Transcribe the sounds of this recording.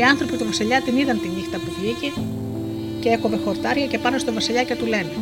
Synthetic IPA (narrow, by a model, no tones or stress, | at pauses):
iɐnθɾo̞pit̪ovɐsiʎɐt̪iniðɐnt̪inixt̪ɐpuvlice | ceekope̞xo̞ɾt̪ɐɾʝɐce̞pɐnost̪o̞vɐsiʎɐcɐt̪ule̞ne